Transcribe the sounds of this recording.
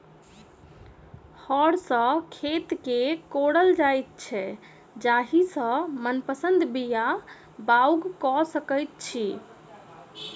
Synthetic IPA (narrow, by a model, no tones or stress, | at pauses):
hɔɽsə̃kʰet̪kekoɽəld͡ʒajt̪̚t͡ʃʰɛ | d͡ʒaɦisə̃mənpəsənd̪bija | bauɡkɔsəkəjt̪̚t͡ʃʰi